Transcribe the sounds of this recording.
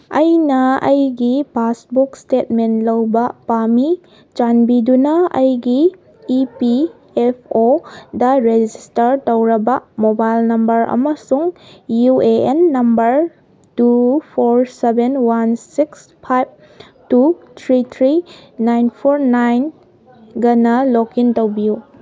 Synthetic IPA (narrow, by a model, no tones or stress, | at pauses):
ɐjnɐɐjɡipasbukstetmentlɐwbɐpami | t͡ʃanbidunɐɐjɡiː | pi | epʰodɐɾed͡ʒistɐɾtɐwɾɐbɐmobajlnɐmbɐɾʔɐ̰mɐsuŋjueenːɐmbɐɾ | tupʰoɾsebenwansiks | pʰajb̚ | tut̪ʰɾit̪ʰɾinajnpʰoɾnajn | ɡɐnɐlokintɐwbiju